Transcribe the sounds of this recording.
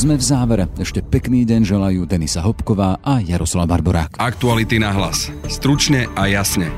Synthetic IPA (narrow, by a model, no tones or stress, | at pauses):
zmɛvzaːʋɛɾɛɛʃcɛpɛkniːɟɛnʒɛlajuːd̪ɛnisaɦɔpkɔʋaːʔajaɾɔslaʊbaɾbɔɾa̰ːkak̚t̪ualit̪inaɦla̰sst̪ɾut͡ʃɲɛʔajasɲɛ